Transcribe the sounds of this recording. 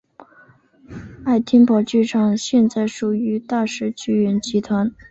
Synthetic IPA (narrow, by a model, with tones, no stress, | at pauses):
a˥˩ɪt̪ʰjɛ˥npɑ˨˩ʊt͡ɕy˥˩ʈ͡ʂʰɑ˨˩ŋɕjɛ˥˧nt͡sa˥˩ɪʂu˨˩y˧˥t̪a˥˧ʂɻ̩˥˧t͡ɕy˥˩ɥɛ˧˥nt͡ɕi˧˥t̪ʰwa˧˥n